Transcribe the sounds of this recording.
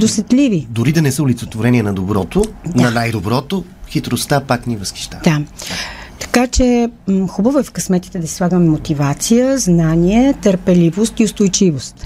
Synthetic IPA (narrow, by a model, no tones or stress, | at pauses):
d̪osɛt̪livid̪ʊɾid̪ɐnɛsəʊlit̪sɛt̪voɾɛniɛnɐd̪obɾɔt̪odnɐnajd̪obɾɔt̪o | xit̪ɾost̪apaknivəski̥ʃt̪ad̪a | t̪ɐ̥kat͡ʃɛxubəvoɛfkɐsmɛt̪i̥t̪ɛd̪ɐsi̥slˠaɡəmɛmot̪ivat̪sijəznaniɛt̪əɾpɛlivost̪iʊst̪ojt͡ʃivost̪